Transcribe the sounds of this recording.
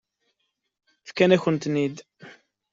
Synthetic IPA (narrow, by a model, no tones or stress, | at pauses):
fkːænæçənt̪nid̪